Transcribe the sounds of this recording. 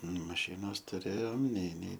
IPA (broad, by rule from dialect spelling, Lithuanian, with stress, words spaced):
mɐˈʃʲɪnoːs tʊˈrʲeːjoːm nʲɛɪ nʲɛɪ